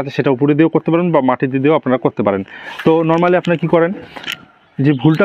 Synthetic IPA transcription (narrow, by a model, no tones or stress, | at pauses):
at͡ɕʰeʃeʈaup̬oɾed̪eokoɾt̪epaɾenbamaʈʰit̪ed̪eoapnaɾakoɾt̪epaɾent̪onɔɾmaleapnaɾakikɔɾen | d͡ʑebʱulʈa